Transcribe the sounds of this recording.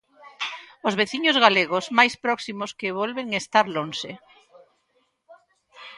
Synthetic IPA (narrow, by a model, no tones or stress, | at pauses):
ozβeθiɲozɣaleɣozmajspɾɔksimoskeβ̞olβeŋest̪aɾlonse